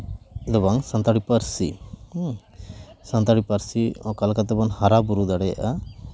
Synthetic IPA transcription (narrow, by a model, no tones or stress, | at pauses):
d̪ɔbaŋsant̪aɽipaɾsḭ | sant̪aɽipaɾsiɔkalkat̪ɛbanhaɾabuɾud̪aɽɛja̰ʔa